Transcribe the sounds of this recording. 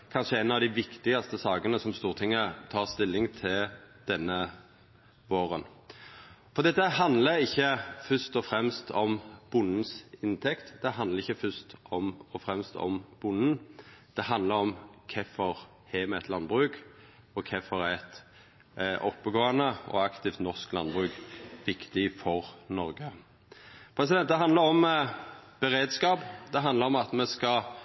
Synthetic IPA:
kʰɑnʂəɛnːɑʋd̪ɪʋɪkt̪ɪɡɑst̪əsɑːɡənəsɔmst̪uːʁt̪ʰɪŋːət̪ʰɑːʁst̪ɪlːɪŋt̪ʰɪld̪̥ɛnːə | ʋoːɾən | fɔʁd̪ɛt̪ːəɦɑnd̪ləɪçːəfœʂt̪ɔfɾɛmst̪ʰɔmb̥ʊnn̩sɪnt̪ʰɛkt̪d̪̥ɛɦɑnd̪ləʁɪçəfœst̪ɔmɔfɾɛmst̪ʰɔ̰mb̥ʊnn̩d̪̥ɛɦɑnd̪ləɾɔmkʰɛfɔɾ | hɛmɛɛt̪lɑnːbʁʉːk | ɔkʰɛfɔɾæɛt̪ | ʔɔpːəɡoːənəɔ̰ɑkt̪ɪft̪nɔʁsklɑ̰nbʁʉːkʋɪkt̪ɪfɔɾnɔɾɡə | pʰɾɛs̬ɪd̪ɛnt̪̚d̪ɛɦɑnd̪əɾɔm | b̥əɾeːd̪skɑːpd̪ɛɦɑnd̪ləɾɔmɑt̪mɛskɑ

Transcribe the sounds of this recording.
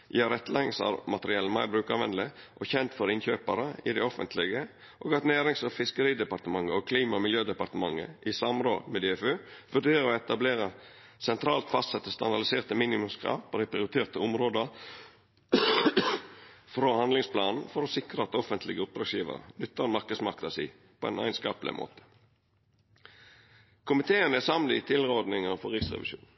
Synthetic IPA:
jæːɾɛt̪ːəlɛŋsɑ̰ɾmɑt̪əɾɪɛlːəmɑɪbɾʉːkɑʋɛnd̪lɪʔɔçɛnt̪fɔɾɪnçøːpəɾəɪd̪æɪɔfə̰nt̪ʰlɪɡə | ʔoːɡɑt̪næːɾɪŋsɔfɪskəɾiːd̪ɛpɑɾt̪əmɑŋːəokʰliːmɑmɪljøːd̪ɛpɑɾt̪əmɑŋːə̰ʔɪsɑmɾo̰ːd̪mɛd̪eɛfʉːʋʉd̪eːɾəɔɛt̪ɑbleːɾə | sɛnt̪ʰɾɑːlt̪fɑst̪sɛt̪ːəst̪ɑ̰nd̪ɑɖ̪ɪseːʁt̪əmiːnɪmʊmskʰɾɑ̰ːʋpʰɔd̪æɪpʰɾɪʊɾɪt̪ʰeːʁt̪əʊmɾoːd̪əɾ | fɾoːhɑnd̪lɪŋspʰlɑːnn̩fɔɾosɪkɾəɑt̪ɔfənt̪lɪɡəʊp̚d̪ɾɑsjiːʋə̰ɾə̰nʏt̪ːəʁmɑɾkəd̪smɑʁkt̪ɑsḭː | pʰɔɛ̰næ̰ɪnskɑ̰ːpəlɪ̰mʔo̰ːt̪ə̥ | kʰʊmɪt̪ʰeːənæsɑmlɪt̪ʰɪlɾod̪nɪŋəfɔɾʁɪksʁɛ̰ʋɪ̰ʃṵːn

